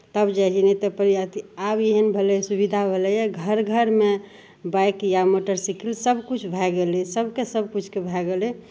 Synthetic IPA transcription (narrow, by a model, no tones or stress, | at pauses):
t̪əbd͡ʒad͡ʒinet̪əpəɾijat̪iabjeɦənbʱelɛsubid̪ʱabʱelɛjeɡʱəɾɡʱəɾme | bajkjamoʈəɾsikilsəbkut͡ʃʰbʱɛɡelisəbkesəb̚kut͡ʃʰkebʱɛɡele